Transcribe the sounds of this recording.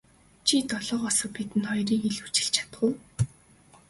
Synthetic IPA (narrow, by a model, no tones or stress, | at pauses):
t͡ɕʰit̪ɔɮɔːqɔsɞ̆pit̪ɘ̆nt̪χɔjriːŋiɮu̥t͡ɕɪ̆ɬt͡ɕʰḁt̪̆ɢə̆w